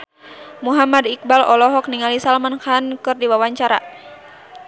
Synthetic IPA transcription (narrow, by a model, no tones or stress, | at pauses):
muɦamadik̚balɔlɔɦɔk̚niŋalisalmankankɨrdiwawaɲt͡ʃaɾa